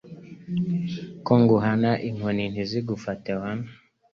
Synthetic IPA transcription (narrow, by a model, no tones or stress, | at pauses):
kɔŋɡuɦanaʔiŋwɛniniziɡufatɛwana